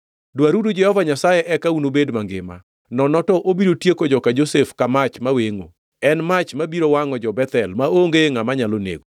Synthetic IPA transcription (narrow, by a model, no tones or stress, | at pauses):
dwaɾudud͡ʒɛhɔvaɲasajɛʔɛkaunobedmaŋɡɪ̰ma̰ | nɔnɔtɔʔobiɾotjekod͡ʒɔkad͡ʒosefkamat͡ʃmaweŋo̰ | ɛnmat͡ʃmabiɾowaŋɔd͡ʒɔbɛt̪ɛlmaoŋɡeŋamaɲalonḛɡo